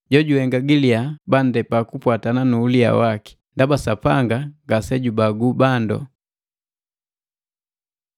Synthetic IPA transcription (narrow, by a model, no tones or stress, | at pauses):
ɟɔɟuhɛŋɡaɡiliaban̩dɛpakupwatananuːlia̰waki̥ndabasapaŋɡaŋɡasɛɟubaɡubandɔ̰